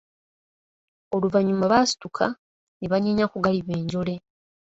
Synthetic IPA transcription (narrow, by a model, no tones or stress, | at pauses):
o̞luvaɲumaβasi̥tukʰa | neβaɲaɲakuɡaliβe̞ːɲɟo̞le̞